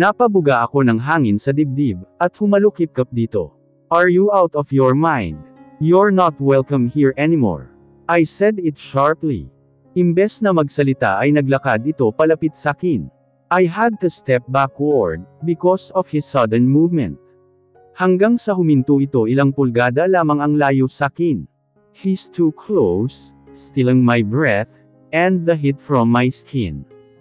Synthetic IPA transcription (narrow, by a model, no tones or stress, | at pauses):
nɐpɐbʊɡaʔɐko̞nɐŋɦaːŋɪnsɐd̪ib̚d̪ib̚ʔɐt̪̚hʊmɐlukɪp̚kɐp̚d̪iːt̪o̞̰ | ʔɐɹjuʔawt̪ɔfjɔɹmãjnd̪jɔɹnot̪wɛlkɐmhiɹʔɛnɪmo̰ɹ | ʔajsɛd̪ɪt̪ʃaɹplḭ | ʔɪmbɛsnɐmɐɡsɐlɪt̪a̰ʔɐjnɐɡlɐkad̪ɪt̪o̞pɐlɐpɪt̪̚sakin | ʔajɦad̪̚t̪ust̪ɛp̚bakwɔɹd̪̚bɪkɔsɔv̥hɪsːɐd̪ɛɹnmuvmɛ̰̃nt̪̚ | hɐŋɡaŋsɐɦʊmɪnt̪uɪt̪oʔɪlaŋpʊlɡaːd̪ɐlaːmɐŋɐŋlaːjosakɪn | hist̪ʰukʰlowsː | t̪ɪlɪŋmajbɹɛθ | ɛ̃nd̪̚ðɐɦɪt̪fɹɔmːajskʰɪ̰̃n